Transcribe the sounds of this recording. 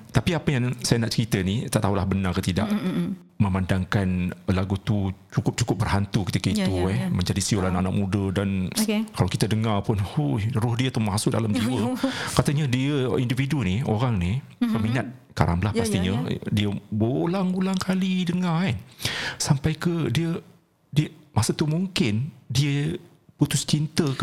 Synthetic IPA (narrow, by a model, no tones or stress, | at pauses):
t̪apiapəjaŋsajanaʔt͡ʃəɾit̪ənit̪aʔt̪aɦulahbənarkət̪ida̰ʔ | məmandaŋkanlaɡut̪ut͡ʃukʊp̚t͡ʃu̥kʊp̚bərɦant̪ukə̥t̪ikəit̪uɛhməɲd͡ʒadisiolanaʔanaʔ̚mudədankalawkit̪ədəŋarpʊnhujrʊhdiət̪uhmasʊʔ̚da̰lamd͡ʒiwəkat̪əɲədiəindividunio̰ɾaŋni | kəminat̪̚ | ka̰ɾa̰mbəlahpast̪iɲədiəbəlaŋɡulaŋkʰalidəŋa | sampajkədiə | diəmasət̪umuŋkɪndiə | put̪ʊst͡ʃint̪ə